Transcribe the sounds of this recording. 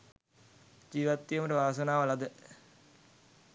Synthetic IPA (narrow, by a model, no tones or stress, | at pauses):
d͡ʑiːʋɐt̪ːijɐmɐʈɨʋaːsɐnaːʋɐlɐd̪ɨ